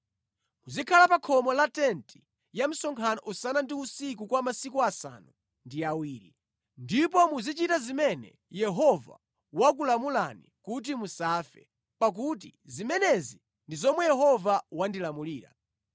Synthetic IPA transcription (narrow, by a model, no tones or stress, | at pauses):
muzikʰalapakʰɔmɔlatɛntʰi̥ | jam̩sɔŋkʰanɔʔusanandiusik̬ukwamasikuasa̰ːnu | ndiawiːɾḭ | ndip̬ɔmuzit͡ʃitazimɛnɛ̰ | jɛɦɔva̰ | wak̬ulamulanḭkut̬imusaːfɛ̰ | pak̬ut̬izimɛnɛzi | ndizɔmwɛjɛɦɔvawandilamuliːɾa̰